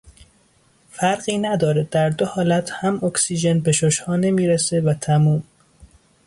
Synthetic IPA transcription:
fæɾɢiːnæd̪ɒːɾed̪æɾd̪ohɒːlæt̪ʰhæmoksiːʒenbeʃoʃhɒːne̞miːɾese̞væt̪ʰæmuːm

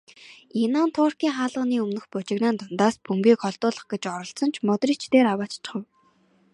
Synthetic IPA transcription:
enɔnt̪ʰʊːr̥kiːŋχaːɮə̆niːɵmnɵ̆xpʊt͡ɕɪ̆knaːnt̪ʊnt̪aːspʰɵmpiːkχɔɮt̪ʊːɮə̆χɡet͡ɕɔɾɞ̆ɬt͡sɞ̆n̥t͡ɕʰmɔt̪riːt͡ɕʰt̪eːɾawaːt͡ɕt͡ɕ̆ʰχə̆w

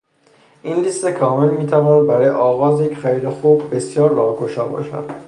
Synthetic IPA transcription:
ʔinliːst̪ekʰɒːmelmiːt̪ʰævɒːnæd̪̚bæɾɒːjeʔɒːɣɒːzjecʰxæɾiːd̪exuːbːe̞sjɒːɾːɒːhɡoʃɒːbɒ̰ːʃæ̰d̪̥

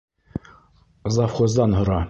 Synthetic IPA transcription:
zɑfχozd̪ɑnɦŏɾɑ

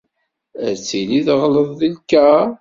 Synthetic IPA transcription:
əɾt͡sːiliðʁləðˤðilkæ

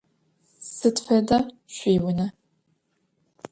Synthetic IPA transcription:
sɨtfɐdɐ | ɕʷiːwʊnɐ

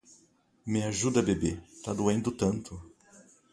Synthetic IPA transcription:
mɪaʒud̪ɐbebet̪ad̪uẽnd̪ʊt̪ɐ̃nt̪ʊ

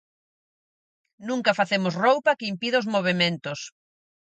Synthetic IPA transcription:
nũŋkɐfaθemʊsrowpɐkeimpiðaozmoβ̞emẽnt̪ʊs

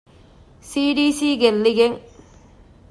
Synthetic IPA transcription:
siɖisiɡelːiɣeŋ

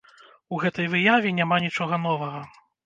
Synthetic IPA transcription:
uɣɛt̪ɐjvɨjavʲinʲamanʲit͡ʂɔɣɐnɔvɐɣɐ

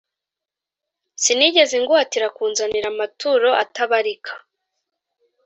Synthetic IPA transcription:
siniɟe̞zeŋɡuhatiɾakuːnzaniɾamatuɾo̞ʔataβaɾikʰḁ

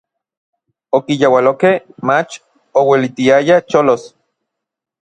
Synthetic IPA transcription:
okijawalokehmat͡ʃ | owelit̪iajat͡ʃolos

